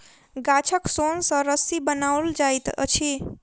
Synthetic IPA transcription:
ɡat͡ʃʰəksonsə̃ɾəsibənauld͡ʒajt̪ə̰t͡ʃʰi

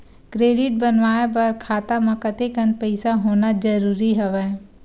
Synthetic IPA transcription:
kɾeːɖɪʈ̚bənʋaːep̬ɐɾkʰaːt̪amɐ̃kɐt̪ekə̃nd̪̚pəɪsaɦoːnad͡ʒɐɾuːɾiɦɛʋɛː

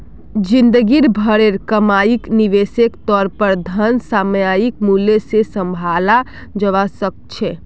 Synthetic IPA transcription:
d͡ʒind̪əɡiɾbʱəɽeɾkəmajikniʋesekt̪ɔːɾpəɾd̪ʱənsamjajikmulesesə̃mbʱala | d͡ʒəʋasək̚t͡ʃʰɛ

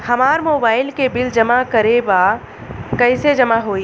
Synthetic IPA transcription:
hɐmaːɾmoːbaːɪlkebɪld͡ʒɐmakɐɾeba | kɐɪsed͡ʒɐmaɦoːi

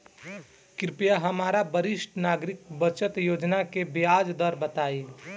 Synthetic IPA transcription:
kɾpjaɦəmaɾabəɾisʈnaːɡɾik̚bət͡ʃət̪jod͡ʒnakebijad͡ʒd̪əɾbət̪aːi

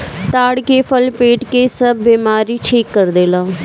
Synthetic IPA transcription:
t̪aːɽkeːpʰəlpeːʈkeːsəbːiːmaːɾiːʈʰiːkːəɾd̪eːlãː

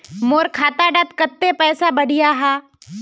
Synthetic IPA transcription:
moːɾkʰaːt̪aɖat̪̚kət̪ːepɛːsabəɽʱijaɦaː

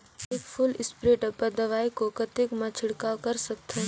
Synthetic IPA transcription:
eːkpʰʊlɪspɾeːʈəpɐɾd̪ɐʋaːikokɐt̪ɪkmãt͡ʃʰɪɽkakɐɾsɐk̚t̪eɦ

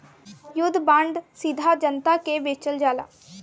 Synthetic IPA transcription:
jʊd̪bə̃ɳɖsɪd̪ʱaːd͡ʒənt̪aːkeːbeːt͡ʃəld͡ʒaːla̰ː

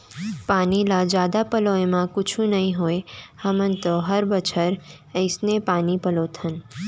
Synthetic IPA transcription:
panilad͡ʒad̪apəloemãkʊt͡ʃʰũnəɦĩɦojhəmənt̪oɦəɾbət͡ʃʰəɾ | əjsnepanipəlot̪ʰən

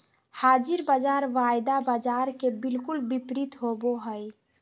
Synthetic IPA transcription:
had͡ʒiɾbad͡ʒaɾʋajd̪abad͡ʒaɾkebilkulbipɾit̪ɦoboɦəj

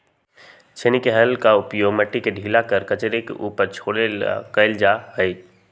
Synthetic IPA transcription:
t͡ʃʰenikeɦəlkaʊpjoːɡmɐʈːikeɖʱiːlakəɾkɐt͡ʃɾekḛʔuːpəɾt͡ʃʰoːɽekəɪld͡ʒaɦəi

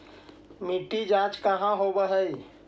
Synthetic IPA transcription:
miʈid͡ʒãːt͡ʃkəɦãɦobəɦəi

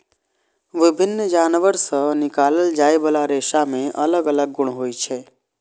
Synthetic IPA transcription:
ʋɪbʱɪnːd͡ʒaːnʋəɾsənɪkaːləld͡ʒaːjbəlaɾeːʃamẽʔɐləɡələɡ̚ːʊɽ̃ɦoːit͡ʃʰɛː

